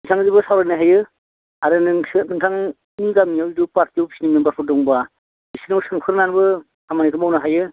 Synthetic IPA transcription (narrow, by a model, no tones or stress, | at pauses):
itʰaŋzibɯsawɾanaɦajɯ | aɾɯnɯŋsɯnɯŋtʰaŋ | niɡamijawidupaɾtiwbisinimenbapʰudɔŋba | isinawsɯŋpʰɯɾnanbɯ | amanikʰɯmawnɯɦajɯ